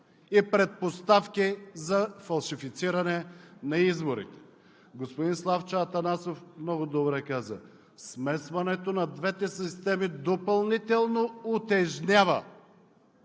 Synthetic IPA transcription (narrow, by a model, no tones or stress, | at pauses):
ipɾɛt̪̚post̪afkizɐfɐlˠʃifit̪siɾɐnɛnɐizboɾḭt̪ɛ̥ | ɡospod̪inslˠaft͡ʃaːt̪ɐnasofmnɔɡʊd̪obɾɛkazə̰ | smɛsvɐnɛt̪onɐd̪vɛt̪ɛsist̪ɛmid̪opɐlˠnit̪ɛlˠnoot̪ɛʒnʲavɐ̰